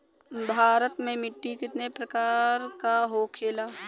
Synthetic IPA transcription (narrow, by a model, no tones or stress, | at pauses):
bʱaːɾət̪mẽmɪʈːikɪt̪nepɾɐkaːɾkaɦokʰeːlaː